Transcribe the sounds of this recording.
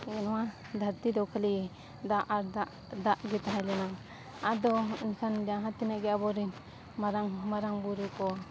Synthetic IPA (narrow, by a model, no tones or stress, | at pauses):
ɡɛnwa | d̪ʱaɾt̪id̪ɔkʰəli | d̪aʔaɾdaʔ | d̪aʔɡɛt̪aɦajlɛnaŋ | ad̪ɔinsand͡ʒaɦat̪inaʔɡɛabɔɾin | maɾaŋmaɾaŋbuɾukɔ